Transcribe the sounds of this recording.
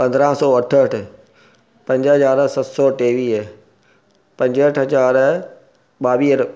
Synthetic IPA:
pɐ̃nd̪ɾãːsɔːɐʈʰəʈʰɪ | pɐ̃ɲd͡ʑɦɐzaːɾsɐt̪sɔːʈeːʋiːɦ | pɐ̃ɲd͡ʑəʈʰɦɐzaːɾ | ɓaːʋiːəɾ

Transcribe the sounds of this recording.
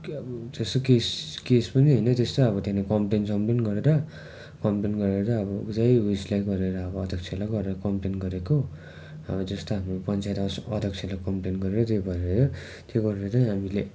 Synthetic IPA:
t̪est̪okeskespʌniɦʌjnʌt̪est̪oʌβʌt̪enakʌmplensʌmplenɡʌɾeɾʌ | kʌmplenɡʌɾeɾʌɾʌːbʌud͡zajwislajɡʌɾeɾʌːbʌːd̪ʱʌkt͡sʰelaɡʌɾeɾʌkʌmplenɡʌɾeko | ʌ̰bʌd͡zʌst̪oɦamropʌnt͡sajt̪ʌsʌd̪ʱʌkt͡sʰelakʌmplenɡʌɾeɾʌt̪jobʌeɾʌjo | t̪jeɡʌɾeɾʌt͡saĩɦamile

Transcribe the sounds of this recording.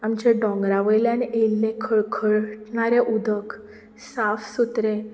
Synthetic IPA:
amt͡ɕeɖɔ̃ŋɡɾaʋəjleañiʔelnẽkʰəɭkʰəɭʈɳaɾeʔud̪ʱək | safsut̪ɾẽ

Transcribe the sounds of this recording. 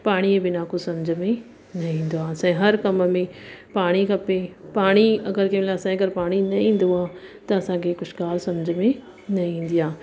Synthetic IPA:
paːɽ̃ibɪnakosɐmd͡ʑʱmẽ | nɐɦĩĩːn̆d̪oaːsãĩɦɐɾkɐmmẽpaːɽ̃ikɐpepaːɽ̃iɐɡəɾkẽmɪlaːɐsãːĩɐɡəɾpaːɽ̃inɐ̃ĩːn̆d̪oaːt̪ɐɐsãkʰekʊʃɡaːlsɐmd͡ʑʱəmẽ | nɐĩĩːn̆d̪ijaː

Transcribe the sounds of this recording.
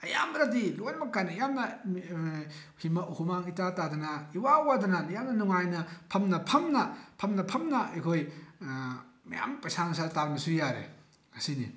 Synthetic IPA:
ɐja̰mɾadilojnmɐkːanɐjamnɐ | himɐhumaŋitatadɐnɐiwawadɐnɐnjamnɐnuŋajnɐpʰɐmnɐpʰɐmnɐpʰɐmnɐpʰɐmnɐɐjkʰoj | mɐja̰mpɐsaŋsaltaɾmɐsujaɾḛ | ɐsinḭ

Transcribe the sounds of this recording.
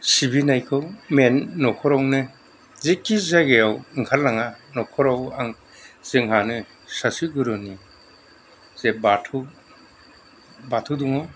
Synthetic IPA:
sibinajkʰɯwmenːɔkʰɔɾawnɯ | zikːizaɡejawiŋkʰalːaŋanɔkʰɔɾawaŋ | z̥ɯŋɦanɯ | sasiɡɯɾɯni | z̥ebatʰu | batʰɯduŋɔ

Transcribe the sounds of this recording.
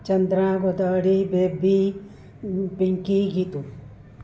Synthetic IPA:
t͡ʃɐnd̪ɾaːɡod̪aːɽibeːbi | piŋkiɡit̪u

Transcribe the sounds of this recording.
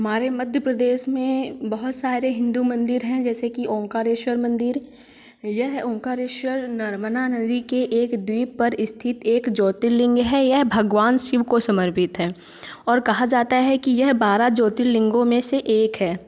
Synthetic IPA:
ɦɐmaːɾemɐd̪ʱjəpɾəd̪eːʃmẽbɐɦʊt̪saːɾeɦɪ̃nd̪umɐ̃nd̪ɪɾɦɛ̃d͡ʒɛːsekiɔ̃ːkaːɾeːʃwəɾmɐ̃nd̪ɪɾ | jɐɦɔ̃ːkaːɾeːʃwəɾnɐɾmənanɐd̪ikeʔeːkd̪wiːpɐɾɪst̪ʰɪt̪eːkd͡ʒɔːt̪ɪlɪ̃ŋɡɦɛjɐɦbʱɐɡʋaːnʃɪʋkosɐməɾpɪt̪ɦɛː | ɔːɾkɐɦad͡ʒaːt̪aɦɛkijɐɦbaːɾad͡ʒɔːt̪ɪllɪ̃ŋɡõmẽseʔeːkɦɛː

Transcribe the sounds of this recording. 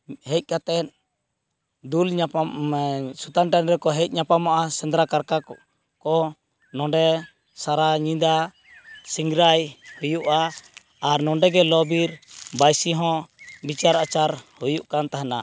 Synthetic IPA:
hɛc̚ˀkat̪ɛt̪̚ | d̪ul | sut̪anʈanɾɛkɔɦɛc̚ˀɲapamaʔasɛnd̪ɾakaɾka | kɔ | nɔ̃ɖɛ | saɾaɲĩd̪a | siŋɡɾajhujuʔaː | ɾnɔ̃ɖɛɡɛlɔbiɾbajsiɦɔ̃bit͡ʃaɾat͡ʃaɾhujuʔkant̪aɦana

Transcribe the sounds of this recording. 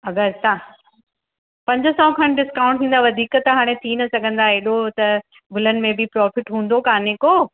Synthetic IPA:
ɐɡəɾt̪a | pɐ̃ɲd͡ʑəsɔːkʰɐnɖɪskaːʊ̃ɳʈt̪ʰĩːnd̪aʋɐd̪ʱiːkt̪ɦaːɽ̃ẽt̪ʰinɐsɐɡʱə̃nd̪aeɗot̪ɐ | bʊlənɪ̆mẽbʱɪpɾɔːfɪʈɦũːnd̪okaːneːko

